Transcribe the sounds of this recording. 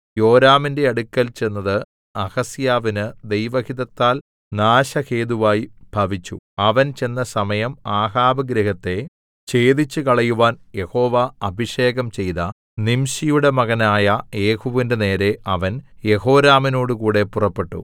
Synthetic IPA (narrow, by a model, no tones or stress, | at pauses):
jo̞ːɾaːminde̞ɐɽukːɐlt͡ɕenːɐðɨ | ɐhɐsjaːʋinɨd̪e̞jʋɐhiðɐt̪ːaːl | naːɕɐheːd̪uʋaːjib̥ʱɐʋit͡ɕːṵɐʋɐnt͡ɕe̞nːɐsɐmɐjɐmaːɦaːbɐɡɾɐɦɐt̪ːe̞ | t͡ɕe̞ːd̪it͡ɕːɨkɐɭɐjuʋaːnje̞ho̞ːʋaɐbʱiʂe̞ːɣɐmt͡ɕe̞jðɐ | nimɕijuɽe̞mɐɣɐnaːjɐje̞ːhuʋindene̞ːɾe̞ʔɐʋɐnje̞ɦo̞ːɾaːmino̞ːɽukuːɽe̞purɐpːe̞ʈːṵ